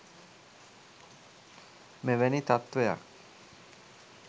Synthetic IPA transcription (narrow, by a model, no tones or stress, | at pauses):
meʋɛnit̪at̪ʋeja̰k